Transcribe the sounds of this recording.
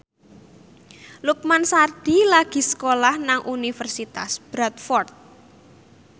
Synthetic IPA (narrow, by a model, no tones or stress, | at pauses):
luk̚mansarɖ̪̥ilaɡ̥i̤sə̥kolahnaŋʔunifərsit̪a̰sb̥ɾat̪fɔrt̪̚